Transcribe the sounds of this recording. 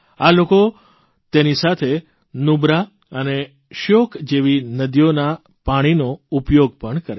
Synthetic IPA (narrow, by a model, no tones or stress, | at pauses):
aloko | t̪enisat̪ʰe | nubɾa | əne | ʃokʰd͡ʒeʋinəd̪ijona | paɽ̃inoupjoɡ̚pəɳkəɾe